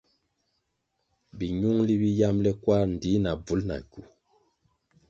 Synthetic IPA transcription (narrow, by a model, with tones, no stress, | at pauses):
bi˨ɲu˦ŋli˦bi˦ja˦mlɛ˦kwa˦ɾn̩˨di˨˦na˨b͡vu˨˦lna̰˨ɡu˨